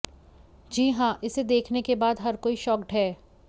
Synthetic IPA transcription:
d͡ʒiːɦãːʔɪsed̪eːkʰnekebaːd̪ɦɐɾkoːiʃɔːkʈɦɛː

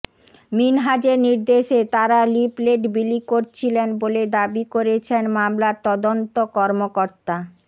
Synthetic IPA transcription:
minɦad͡ʑeɾniɾd̪eʃet̪aɾalipleʈbilikoɾt͡ɕʰilenboled̪abikoɾet͡ɕʰenmamlaɾt̪ɔd̪ont̪okɔɾmokoɾt̪a

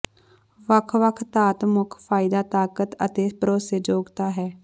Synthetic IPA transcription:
ʋəkʰʋəkʰt̪aːt̪mʊkʰfʰaːɪd̪aːt̪aːkət̪ə̰t̪eːpəɾoːseːd͡ʒoːɡt̪aːɦɛː

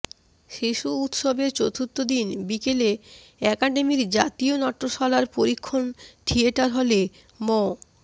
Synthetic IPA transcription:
ʃiʃuut̪ʃobeɾt͡ɕot̪ʰut̪ːod̪inbikele | ɛkaɖemiɾd͡ʑat̪ionɔʈːoʃɔlaɾpoɾikʰːonʈʰieʈaɾɦole | mɔ

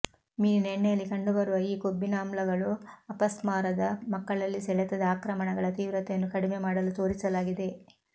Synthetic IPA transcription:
miːneɳːejɐlːikɐɳɖubɐɾuʋɐiːkobːinaːmlɐɡɐɭuɐpɐsmaːɾɐd̪ɐmɐkːɐɭɐlːisɛɭɛt̪ɐd̪aːkɾɐmɐɳɐɡɐɭɐt̪iːʋɾɐt̪ɛjɐnːukɐɽimemaːɽɐlut̪o̞ːɾisɐlaːɡid̪e̞

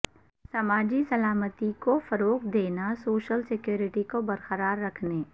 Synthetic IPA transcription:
sɐmaːd͡ʒisɐlaːmət̪ikofɐɾoːqd̪eːnasoːʃəlsɪkjoːɾɪʈikobɐɾqəɾaːɾːɐkʰneː

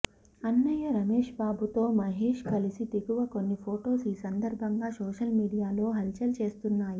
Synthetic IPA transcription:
ɐnːɐjɐɾɐmeːʂbaːbut̪o̞ːmɐɦeːʂkɐlisit̪iɡuʋɐkonːipʰoːʈo̞ːsiːsɐnd̪ɐɾbʱɐŋɡaːsoːʂɐlmiːɽijaːlo̞ːɦɐlt͡ʃɐlt͡ʃe̞ːst̪unːaːji

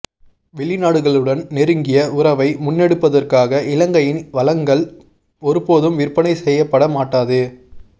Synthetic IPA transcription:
ʋɛɭːɪnaːɽɯɣɐɭɯɽɐnnɛɾɯŋɡɪjɐʊɾɐʋɐɪmʊnːɛɽɯpːɐðɐrkaːɣɐʔɪlɐŋɡɐjɪnʋɐlɐŋɡɐɭ | ɔɾɯpːoːðɯmʋɪrpɐnɐɪsɛjːɐpːɐɽɐmaːʈːaːðɯ

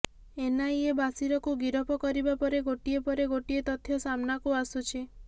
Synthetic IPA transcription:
enaiebasiɾɔkuɡiɾɔpɔkɔɾibapɔɾeɡoʈiepɔɾeɡoʈiet̪ɔt̪ʰːjɔsamnakuasut͡ʃʰi

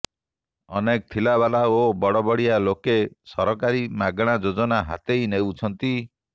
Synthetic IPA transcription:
ɔnek̚t̪ʰilaβalaobɔɽɔbɔɽijalokesɔɾɔkaɾimaɡɽ̃ad͡ʒod͡ʒɔnaɦa̰t̪ejnewt͡ʃʰɔnt̪i

